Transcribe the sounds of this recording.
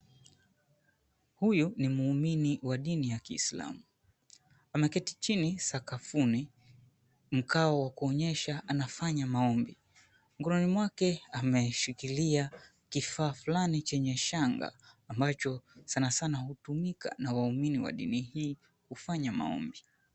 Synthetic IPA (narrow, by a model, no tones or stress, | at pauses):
hujunimuːminiwaɗinijakiːsla̰mu | amɛkɛtit͡ʃinisakafuni | m̩kaɔwakuɔɲɛʃaʔanafaɲamaɔmbi | ŋɡɔɾɔnimwakɛamɛʃikilia | kifaːfulanit͡ʃɛɲɛʃaŋɡa̰ːmbat͡ʃɔsanasanahutumikʰa̰nawauminiwa̰ɗḭnihiː | kufaɲama̰ɔ̰mbi